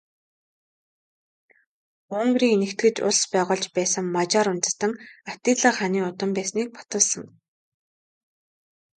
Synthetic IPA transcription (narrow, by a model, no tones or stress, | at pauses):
ʊŋɡriːŋnĕkt̪ɡɘ̆t͡ɕʊ̰ɮspæːʁʊːɮt͡ɕpæːsə̆ŋmat͡ɕaːɾʊnt͡s̪ə̥̆t̪ə̆ŋat̪iːɮə̆ːχaniːʊt̪ə̆mpæːsniːk̚pʰɔ̥t̪ə̆ɮsə̆ŋ